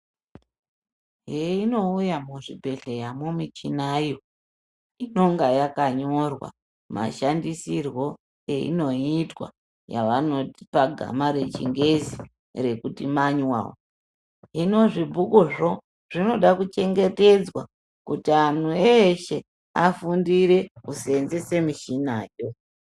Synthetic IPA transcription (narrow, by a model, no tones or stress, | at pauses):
ɦeino̞ujamuʐibʱe̞ɬejamomit͡ʃinajo | ino̞ŋɡajakaɲo̞rwa̰ | ma̰ʃandisirwo̞ | eḭno̞itwa̰ | ja̰ʋano̞ti̥paɡʱa̰maɾe̞t͡ʃḭŋɡe̞zi | re̞kutimaɲwa̰wo | ino̞ʐibʱukuʐo̞ | ʐ̥ino̞ɗakut͡ʃe̞ŋɡe̞te̞d͡zwa | kutian̤ueʃe | afundiɾeusenzese̞miʃinaːjo̞